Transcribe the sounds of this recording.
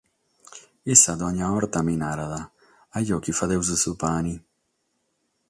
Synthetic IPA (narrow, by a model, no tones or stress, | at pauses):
isad̪ɔɲaɔɾt̪aminaɾaða | ajɔkifaðewzesupani